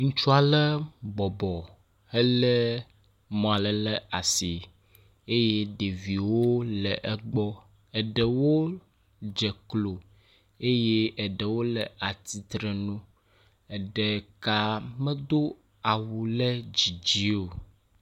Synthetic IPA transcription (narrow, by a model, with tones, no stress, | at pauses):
ŋũ˦t͡ʃu˦a˨lə˦bɔ˨bɔ˨ | ɛ˦lɛ˦ | mɔ̃˨a˨lə˨lə˦a˨si˨ | e˦je˦ɖe˨vi˨wo˦lɛ˨ʔɛ˦ɡ͡bɔ˦ | ɛ˨ɖɛ˨wo˦ | d͡ʒɛ˨klo˨ | e˦je˦ɛ˨ɖə˨wo˦lə˨a˨t̪i˨t̪ɾə˨nũ˦ | ɛ˨ɖɛ˨ka˨mɛ̃˦d̪o˦ | a˨wu˨lɛ˦d͡ʑi˨d͡ʑi˦o˨